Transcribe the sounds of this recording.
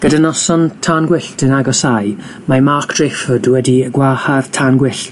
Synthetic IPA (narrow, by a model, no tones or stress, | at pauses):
ɡ̥ədanɔsɔntʰaːnɡwɪɬtənaɡɔsajmamarkʰd̥rɪfɔdwɛdiəɡwahav̥tʰaːnɡwɪɬt